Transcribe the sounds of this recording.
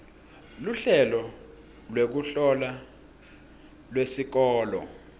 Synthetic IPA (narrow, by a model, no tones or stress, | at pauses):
luɬɛlɔ | lwek̬uɬɔla | lwesik̬ɔːlɔ̰